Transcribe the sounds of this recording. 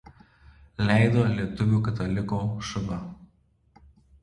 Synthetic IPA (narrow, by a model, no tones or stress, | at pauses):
lʲæˑɪd̪oːlʲiɛt̪ʊʋʲuːˑkɐt̪ɐlʲɪkoːʃɐʋɐ